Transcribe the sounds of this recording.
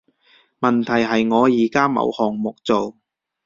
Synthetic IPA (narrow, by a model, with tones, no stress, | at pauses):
mɐ˨˩nt̪ʰɐ˨˩jɦɐ˨jŋɔː˨˧jiː˨˩kaː˥mɐ̰˨˧whɔː˨˩ŋmʊ˨k̚t͡so˨w